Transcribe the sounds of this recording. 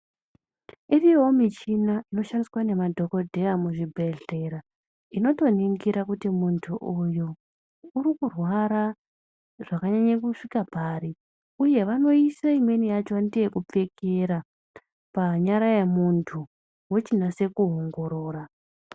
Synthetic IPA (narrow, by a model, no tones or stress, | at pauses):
iriwo̞mit͡ʃinaʔino̞ʃandiswane̞madʱo̞ko̞dʱe̞jamuʐibʱe̞ɮe̞ɾa | ino̞to̞niŋɡiɾakutimuntʰuʔujuː | rikurwaɾa | ʐakaɲaɲakuʂikapaːɾi | uje̞ʋano̞isaimwe̞nijat͡ʃoandije̞kup͡fe̞ke̞ɾa | paɲaɾajemuntʰu | wot͡ʃinase̞kuɦo̞ŋɡo̞ɾoːra